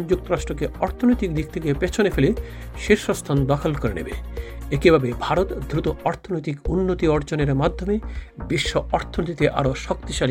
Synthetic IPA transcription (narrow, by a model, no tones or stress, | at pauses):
d͡ʑuk̚t̪oɾaʃʈɾokeɔɾt̪ʰonojt̪ik̚d̪ik̚t̪ʰekepet͡ɕʰonefele | ʃeɾʃost̪ʰand̪ɔkʰolkoɾenḛbḛekibʱabebʱaɾot̪d̪ɾut̪oɔɾt̪ʰonojt̪ikunːot̪iɔɾd͡ʑoneɾmad̪ʱːomebiʃːoɔɾt̪ʰonot̪it̪eʔa̰ɾoʃɔkt̪iʃali